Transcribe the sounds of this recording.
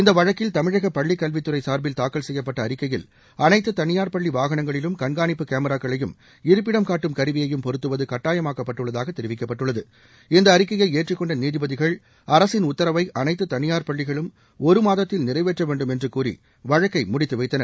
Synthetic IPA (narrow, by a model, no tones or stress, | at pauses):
ɪnd̪ɐʋɐɻɐkːɪlt̪ɐmɪɻɐɣɐpːɐɭːikːɐlʋɪt̪ːɯɾɐɪsaːɾbɪlt̪aːkːɐlsɛjːɐpːɐʈːɐːɾɪkːɐjɪl | ɐnɐɪt̪ːɯt̪ɐnɪjaːɾpɐɭːiʋaːɣɐɳɐŋɡɐɭɪlɯmkɐnɡaːnɪpːɯkeːmɐɾaːkːɐɭɐjɯm | ɪɾɯp̬ːɪɽɐmkaːʈːɯmkɐɾɯʋɪjɐjɯmpɔɾɯt̪ːɯʋɐðɯkɐʈːaːjɐmaːkːɐpːɐʈːɯɭːɐðaːɣɐt̪ːɛɾɯʋɪkːɐpːɐʈːɯɭːɐðɯ | ɪnd̪ɐːɾɪkːɐjɐɪeːʈrɪkːɔɳɖɐniːðɪbɐðɪɣɐɭ | ɐɾɐsɪnʊt̪ːɐɾɐʋɐɪʔɐnɐɪt̪ːɯt̪ɐnɪjaːɾpɐɭːɪɣɐɭɯm | ɔɾɯmaːðɐt̪ːɪlnɪrɐɪʋeːʈrɐʋeːɳɖɯmɛndrɯkuːrḭ | ʋɐɻɐkːɐɪmʊɽɪt̪ːɯʋɐɪt̪ːɐnɐɾ